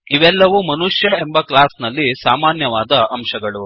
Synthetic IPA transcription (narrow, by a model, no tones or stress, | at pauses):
iʋɛlːɐʋumɐnuʂjɐe̞mbɐklaːsnɐlːisaːmaːnjɐʋaːd̪ɐɐmʃɐɡɐɭu